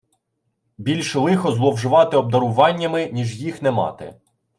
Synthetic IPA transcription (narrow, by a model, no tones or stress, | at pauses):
bʲilʲʃlˠɪxɔzlˠɔwʒʊʋɑt̪ɪɔb̚d̪ɐɾʊʋɑnʲːɐmɪnʲiʒjixnɛmɑ̰t̪ɪ̰